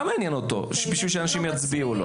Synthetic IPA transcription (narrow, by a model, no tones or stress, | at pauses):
meanjɛnot̪o̰ʃbiʃiʃɛanaʃimjat͡sbiulo̰